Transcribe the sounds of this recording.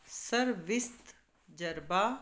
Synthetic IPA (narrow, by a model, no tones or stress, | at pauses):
sɐɾʋɪst̪ | d͡ʒɐɾbaː